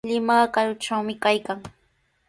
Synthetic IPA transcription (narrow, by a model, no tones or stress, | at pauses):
lɪmɑkaɾʊʈ͡ʂawmɪkajkaŋ